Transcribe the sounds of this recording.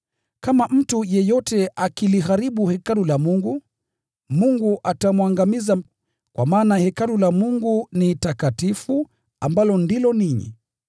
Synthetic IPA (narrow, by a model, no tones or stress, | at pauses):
kamam̩tujɛjɔtɛʔakiliɦaɾiɓuhɛkalulamuŋɡu | muŋɡuʔatamwaŋɡamiza | kwa̰maːnahɛkalulamuŋɡunitakatifu | ambalɔndilɔniɲḭ